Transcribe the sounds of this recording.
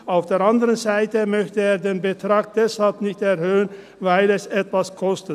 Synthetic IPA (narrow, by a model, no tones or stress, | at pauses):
ʔaʊfd̥eːɐʔandəʁənzaɪtəmœçtəeːɐdeːnbətʁ̥aːk̚d̥ɛshalpnɪçtɛɐhøːən | vaɪlɛsɛtv̥askʰɔstət